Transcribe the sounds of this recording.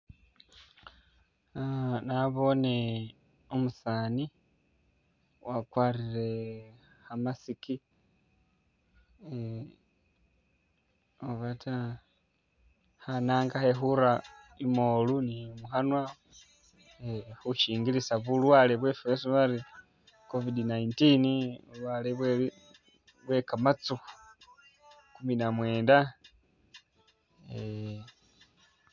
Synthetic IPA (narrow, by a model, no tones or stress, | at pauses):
anaβo̞ne | omusaːni | wakwaːriɾe̞ | xamasiki | e | oβatʰa | hanaːŋɡaxe̞xuɾa | imoːlunimuxanwa | exuʃiːŋɡilisaβulwaːleβwefuesuβaɾi | kovidinaintiniulwaːleβwe | βwe̞kamat͡su | kuminamwe̞ːnda | e